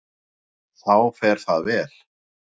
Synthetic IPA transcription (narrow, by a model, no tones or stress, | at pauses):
θawfɛːɾ̥θaðvɛːl̥